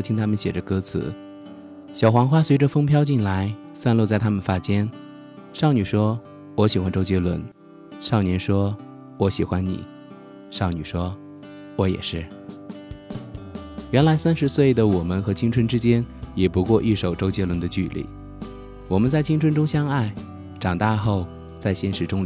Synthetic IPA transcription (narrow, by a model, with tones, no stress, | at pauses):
t̪ʰi˥ŋt̪ʰa˥mə˨nɕjɛ˨˩ʈ͡ʂə˦kɤ˥t͡sʰɹ̩˧˥ | ɕjɑ˨˩ʊxwɑ˧˥ŋxwa˥swe˧˥ɪʈ͡ʂə˧fɤ˥ŋpʰjɑ˥ʊt͡ɕi˥˩nla˧˥ɪ | sa˥˧nlo˥˧t͡sa˥˩ɪt̪ʰa˥mə˨nfa˥t͡ɕjɛ˥n | ʂɑ˥˩ʊny˨˩ʂwɔ˥ | wɔ˧˥ɕi˨˩xwa˧˥nʈ͡ʂo˥ʊt͡ɕjɛ˥lwə̰˧˥n | ʂɑ˥˩ʊnjɛ˧˥nʂwɔ˥ | wɔ˧˥ɕi˨˩xwa˥nnḭ˨˩˦ | ʂɑ˥˩ʊny̰˨˩ʂwɔ˥ | wɔ˧˥jɛ̰˨˩ʂɻ̩˥˩ | ɥɛ˧˥nla˧˥ɪsa˥nʂɻ̩˧˥swe˥˩ɪd̪ə˩wɔ˨˩mə˦nxɤ˧˥t͡ɕʰi˥ŋʈ͡ʂʰwə˧˥nʈ͡ʂɻ̩˥t͡ɕjɛ˥njɛ˨˩pu˧˥kwɔ˥˧ʔi˥˩ʂo˨˩ʊʈ͡ʂo˥ʊt͡ɕjɛ˥lwə˧˥nd̪ə˧t͡ɕy˥˧lḭ˥˩ | wɔ˨˩mə˦nt͡sa˥˩ɪt͡ɕʰi˥ŋʈ͡ʂʰwə˥nʈ͡ʂʊ˥ŋɕjɑ˥ŋa˥˩ɪ | ʈ͡ʂɑ˨˩ŋt̪a˥˧xo˥˩˧ʊ | t͡sa˥˩ɪɕjɛ˥nʂɻ̩˧˥ʈ͡ʂʊ˥ŋ